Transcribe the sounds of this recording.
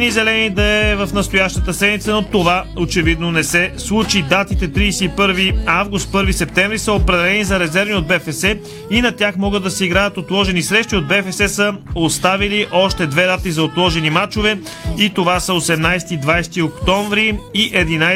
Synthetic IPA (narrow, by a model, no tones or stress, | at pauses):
nizɛlɛnid̪ɐɛvɐfnɐst̪ojaʃt̪ət̪əsɛd̪mit̪sənot̪ovaot͡ʃɛvid̪nonɛsɛslˠut͡ʃid̪at̪it̪ɛt̪ɾiːsɛipɤɾviavɡust̪̚pɤɾvisɛp̚t̪ɛɱvɾisəopɾɛd̪ɛlɛnizɐɾɛzɛɾviod̪̚bɛfɛsɛ | inɐt̪ʲaxmɔɡəd̪ːɐsɛiɡɾajət̪ot̪lˠɔʒɛnisɾɛʃt̪iod̪̚bɛfɛsɛsəost̪aviliʔɔʃt̪ɛd̪vɛd̪at̪izɐot̪lˠɔʒɛnimat͡ʃovɛ | it̪ovasəosɛmnajst̪id̪vajst̪iokt̪ɔɱvɾiiʔɛd̪ina